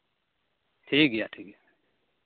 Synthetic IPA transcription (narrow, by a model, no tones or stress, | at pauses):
ʈʰiːk̚ɡejaːʈʰiːk̚ɡeja